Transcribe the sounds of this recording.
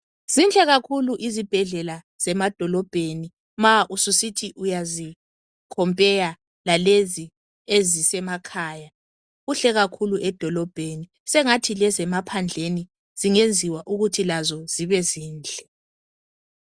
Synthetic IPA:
z̥ind͡ɮʱɛɣakʰuluʔizib̥ʱɛɮɛla | z̥ɛmad̥ʱɔlɔb̥ʱeni | maʔususitʰiʔujazi | kʰɔmpʼɛja | lalezi | ezisɛmakʰaːja | ɣuɬɛɣakʰuluʔɛd̥ʱɔlɔb̥ʱeni | sɛŋatʰilɛzɛmapʰand͡ɮʱeni | z̥iŋend͡zʱiwaʔuɣutʰilazɔz̥iβɛziːnd͡ɮʱɛ

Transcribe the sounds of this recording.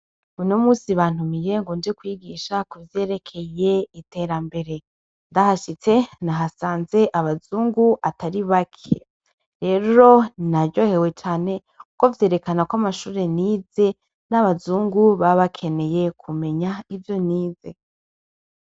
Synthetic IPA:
unomuːsiβaːn̥humije̞ŋɡoːnd͡ʒekwiːɡiʃakuvje̞ːɾe̞kʰe̞je̞ite̞ɾambe̞ɾe̞ | ndahaʃit͡senaɦasaːnze̞ʔaβazuːŋɡuataɾiβakʰḛ | ɾe̞ɾɾo̞naɾɟo̞he̞we̞t͡ʃaːne̞ | uko̞vje̞ːɾe̞kanakwamaʃuːɾe̞niːze̞ | naβazuːŋɡuβaβakʰe̞ne̞je̞kʰume̞ɲaivjo̞niːze̞

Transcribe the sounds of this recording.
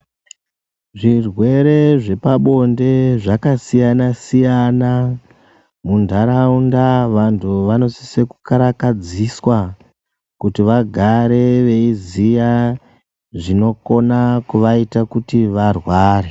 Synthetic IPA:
ʐirwe̞ɾe̞ʐe̞paɓo̞nde̞ʐakasijanasijana | mundʱaɾaundaʋantʰuʋano̞sise̞kukaɾakad͡ziswa | kutiʋaɡʱaɾe̞ʋe̞izija | ʐino̞ko̞nakuʋaitakutiʋarwaːɾe

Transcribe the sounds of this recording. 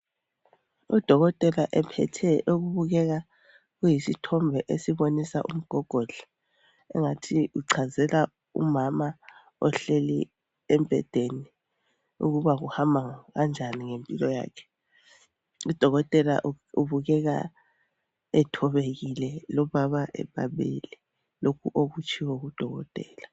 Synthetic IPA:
ud̥ʱɔɣɔtʼɛlaʔɛpʰɛ̰tʰɛʔoɣuβuɣɛɣa | ɣujisitʰɔmbʱɛʔesiβonisa̰ʔum̩ɡ̥ʱɔɡ̥ʱɔɮ̥ḁ | ɛ̰ŋatʰiuǀʰazɛla | ṵmama | ɔɬelḭ | ɛmpʼɛ̰d̥ʱeni | ṵɣuβaɣuhambʱaŋɣand͡ʒʱaniŋempʼilɔja̰ːkʰɛ̥ | id̥ʱɔɣɔtʼɛla̰ʔ | uβuɣɛɣa̰ | ɛtʰɔβeɣilɛlɔβaβaʔɛ̰ɓa̰ɓḛlɛ | lokʰuʔoɣut͡ʃʼʰiwoɣud̥ʱɔɣɔ̰tʼɛ̰ːla

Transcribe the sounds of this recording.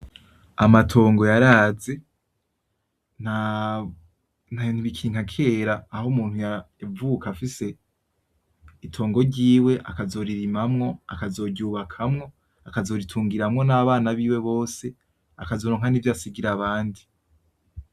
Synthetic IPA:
amatʰo̞ːŋɡo̞jaɾaːze̞ | na | nainuβikʰiːŋhakʰe̞ːɾaːhomuːn̥huja | avuːkʰafise̞ | itʰo̞ːŋɡo̞ɾɟiːwe̞ʔakazo̞ɾiɾimamŋo̞a̰kazo̞ɟuːβakʰamŋo̞ | akazo̞ɾitʰuːŋɡiɾamŋo̞naːβaːnaβiːwe̞βo̞ːse̞ | akazo̞ɾoːŋhanivjaːsiɡiɾaβaːndi

